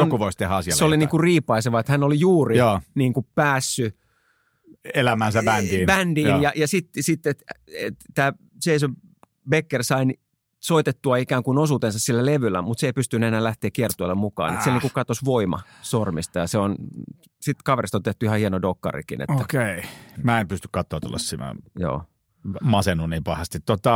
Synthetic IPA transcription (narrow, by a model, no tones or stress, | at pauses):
onkuʋoist̪ehɑsiɑseoliniːŋkurriːpɑiseʋɑet̪hænolijuːrioːniːŋkupæːsːy | elæmænsæbændiːbændiːnjɑjɑsit̪ːsit̪ːet̪ḛt̪t̪ːæː | seisø | bekːersɑin | soit̪et̪ːuɑikæːŋkunosuːt̪ensɑssilːæleʋylːæmut̪seipyst̪ynːyenæːlæht̪eːkkiert̪ˑuilːemmukɑ̰ːnet̪sielniŋkukɑt̪osʋoimɑ̰ | sormist̪ɑjɑseon | sit̪kɑʋerist̪ot̪eht̪ːuihɑhienodokːɑ̰rḭkḭnḛt̪oːækeimæːempyst̪y̥kkɑt̪ːˑoɑt̪ṵlːɑ̰ssimæ̰jo̰ː | mɑsenuniːmpɑhɑst̪it̪t̪ot̪ɑ